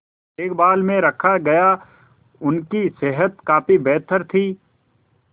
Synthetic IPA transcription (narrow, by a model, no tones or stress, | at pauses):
eːkbaːlmẽɾɐkʰaɡɐja | ʊnkiseɦət̪kaːpibɛːt̪ʰəɾt̪ʰiː